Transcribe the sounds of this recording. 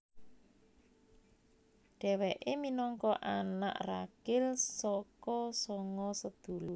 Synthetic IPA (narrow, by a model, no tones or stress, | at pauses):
ɖ̥ɛwɛʔeminɔŋkɔʔana̰ʔraɡ̥ɪlsɔkɔsɔŋɔsəd̪̥ulu